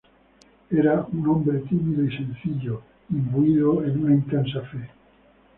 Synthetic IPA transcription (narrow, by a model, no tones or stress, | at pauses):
eɾaunõmbɾet̪imiðoisẽ̞nθiʎo | imbuiðoenunaint̪ens̬afe